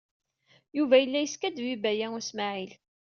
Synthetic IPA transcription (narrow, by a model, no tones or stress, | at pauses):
juvæjəlːæjəskæd̪wibæjæʊsmaʕil